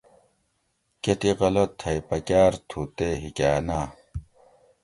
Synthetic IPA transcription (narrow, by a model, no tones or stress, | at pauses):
ket̪iʁɐlot̪ʰːɐjpɐkaːɾt̪ʰuːt̪eɦikaːnaː